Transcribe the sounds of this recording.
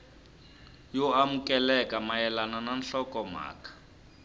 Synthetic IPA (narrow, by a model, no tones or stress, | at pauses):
jɔamukʼɛlɛkʼamajɛlanananɬɔkʼɔma̰ːkʼḁ